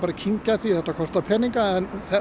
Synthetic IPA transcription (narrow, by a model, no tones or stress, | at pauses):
paːɾacʰiɲcaθiθɛht̪ːakʰɔst̪apʰɛniŋkaɛnθɛ